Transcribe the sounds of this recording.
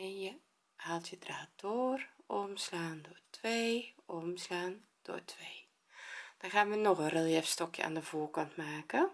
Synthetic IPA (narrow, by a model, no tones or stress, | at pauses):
ɛnjə | halˠtjədraːd̥oːrʔɔmslaːndoːrtʋeːɔmslaːn | d̥o̰ːtʰʋeː | d̥ɑnxaːnʋənɔxərelˠjɛfstɔkjə̰a̰ːndəvoːrkɔntmaːkə